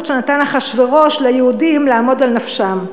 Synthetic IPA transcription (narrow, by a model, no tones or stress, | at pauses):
ʃenatanaχaʃveʁo̞ʃlajehudimleaːmo̞dalnafʃam